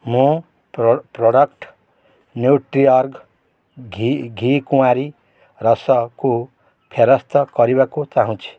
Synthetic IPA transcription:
mũ | proɽʌkʈ | njuʈriʌrɡ | ɡʱiɡʱikuwaɾi | rʌsʌko | pʰeɾʌst̪ʌkʌɾibakot͡saɦũt͡sʰi̥

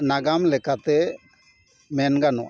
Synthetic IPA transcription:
naɡamlɛkat̪ɛ | mɛnɡanɔ̰ʔ

